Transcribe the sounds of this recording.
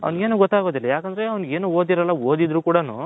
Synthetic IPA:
ɐ̰ʋnɡe̞ːnuːɡɔt̪ːaːɡoːd̪ilːɐjaːkɐnd̪ɐɾe̞ɐʋɐnɡe̞ːnuːoːd̪iɾɐlːɐoːd̪id̪ɾuːkuːɽɐnṵː

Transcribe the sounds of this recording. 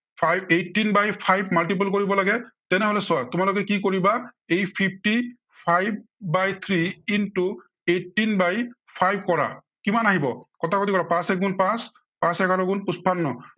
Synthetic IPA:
pʰajbetːinbajpʰajbmalʈip̬ulk̬oɹibɔlaɡɛtɛnɛɦolɛsʊatʊmalɔk̬ɛkikoɹibaejpʰip̚ʰti | pʰajb̚ːajt̪ʰɹiintu | etːinbaj | pʰajb̚ʱkɔɹa̰ | kimanaɦibɔkɔtʰakotikɔɹapãsɛk̚ɡunpãs | pãsɛkaɹɔɡunpuspanːɔ

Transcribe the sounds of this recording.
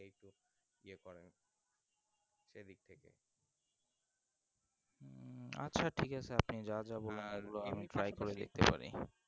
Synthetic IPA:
ejʈu | iekɔɾen | ʃed̪ik̚t̪ʰekḛ | a̰tːɕʰaʈʰikat͡ɕʰeapnid͡ʑad͡ʑaboleneɡuloamiʈɾajkoɾed̪ḛk̚t̪epa̰ɾḭ

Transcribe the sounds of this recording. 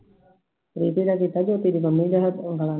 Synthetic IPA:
ɾit̪idakit̪ad͡ʒot̪idibamidaɦat̪uŋɡala

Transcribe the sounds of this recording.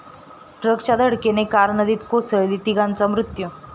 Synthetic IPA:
ʈɾəɡt͡ɕad̪ʱəɽkenekaɾnəd̪iːt̪kosəɭlit̪iɡãnt͡sɔmɾut̪ju

